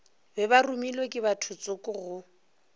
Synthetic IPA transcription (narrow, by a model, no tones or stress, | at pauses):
bɛbarumilwekʼɪβatʰʊt͡sʼʊkʼʊɣʊ